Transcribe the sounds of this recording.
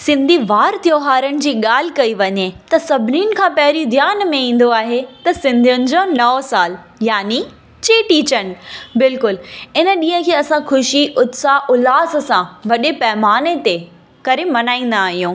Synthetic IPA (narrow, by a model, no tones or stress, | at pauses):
sɪ̃nd̪ʱiʋaːɾt̪ijoːɦaːɾəñɪ̆d͡ʑiːɠaːl̤ikɐiʋɐɲet̪ɐsɐbʱniːʊnɪ̆kʰãːpɐɦɪɾid̪ʱjaːnmẽĩːn̆d̪oaːɦet̪ɐsɪ̃nd̪ʱijʊnɪ̆d͡ʑoːnɐsaːl | jaːni | t͡ɕeːʈiːt͡ɕənɪ̆bɪlkʊlɪnə̆ɗĩːɦə̃kʰeːɐsãxʰʊʃiʔʊt̪saʔʊlaːs̆sãʋɐɗepɐɦmaːnet̪e | kɐɾemɐnaːĩːn̆d̪aːɦijũː